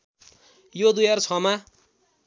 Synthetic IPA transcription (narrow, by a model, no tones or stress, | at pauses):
jod̪ujart͡sʰʌma